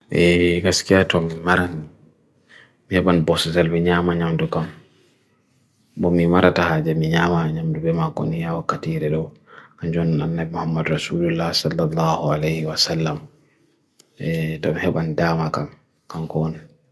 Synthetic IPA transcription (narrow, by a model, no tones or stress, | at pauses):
ʔɛɡaskijatɔmimaɾan | mihɛɓanbɔsɛtalbɛɲaːmaɲamdukam | bɔmimaɾatahaːd͡ʒamiɲaːmaɲamdubɛmakːɔ̰nijawakːatiɾɛɗɔwkaɲd͡ʒɔnanːabɛmuhamːadɾasuːlulːahsalːalːaːhualɛjhiwasalːam | ɛtɔmihɛɓandaːmakam | kaŋkɔna